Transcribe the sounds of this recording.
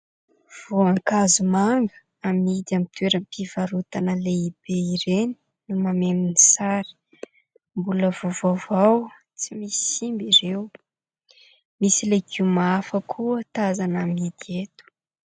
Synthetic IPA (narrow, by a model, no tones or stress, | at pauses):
v̥oaŋkazumaŋɡə̥ | amid̪amit̪weɾəmpʰivaɾut̪anəleib̥eiɾeni̥ | numameminisaɾi̥ | mbuləvovavaw | t͡simisi̥imbiɾew | misilekʰimaafəkʰuət̪azanamid̪iet̪u̥